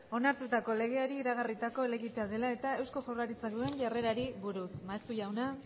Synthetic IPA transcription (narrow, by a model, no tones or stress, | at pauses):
o̞naɾt̪ut̪ako̞le̞ɣ̞e̞aɾiːɾaɣ̞arit̪ako̞ele̞ɣit̪e̞aðe̞lae̞t̪ae̞wsko̞forlaɾit͡sak̚d̪ue̞ɲʝare̞ɾaɾiβuɾusmaest̪uʝawna